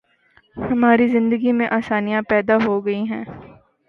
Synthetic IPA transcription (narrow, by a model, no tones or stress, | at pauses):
hɐmaːɾizɪ̃nd̪əɡimẽʔaːsaːnijãpɛːd̪aɦoɡɐiɦɛ̃ː